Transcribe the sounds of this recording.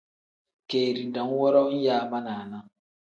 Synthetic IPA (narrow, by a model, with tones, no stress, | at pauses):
ke˨ɾi˨da˨ŋ̩˦wɔ˦ɾɔ˦n̩˦ja˦a˦ma˦na˨a˨na˦